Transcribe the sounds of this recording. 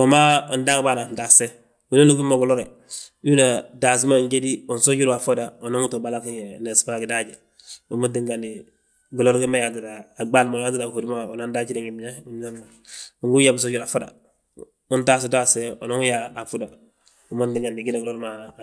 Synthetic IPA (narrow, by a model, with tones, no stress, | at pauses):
o˨ma˦u˨nda˦kba˦na˨n˨da˨se˦ | u˨no˦nu˦ku˦mːo˨ɡu˨lo˦ɾe˨ | ju˦na˨da˨s̬i˦ma˦˨ɲɟe˦di˦u˨nso˦d͡ʒu˦ɾu˦a˨fo˦da˨o˨no˦ŋu˦to˨ba˦la˦ki˦ne˨sma˦˨ɡi˨da˦ɟe˨ | u˨ma˦ndi˦ŋɡa˨ni˨ | ɡu˨lo˦ɾki˦ma˦ja˨ti˨daː˨ɡ͡ba˦lma˨a˦t̬i˦da˨ho˨du˦ma˦o˨na˦nda˦t͡ʃi˦ɾe˦ŋi˨miɲa˦u˦m˦a˦a˨ | u˨ŋɡu˦ja˨bu˨s̬o˦ɟuɾa˨fo˦da̰˨ | u˦nta˦s̬u˨da˦se˦o̰˨no˦ŋu˦ja˦a˨fu˦da˨ | u˨ma˦ndi˦ŋɡa˨ni˨ɡi˦na˨ɡlo˦ɾma˨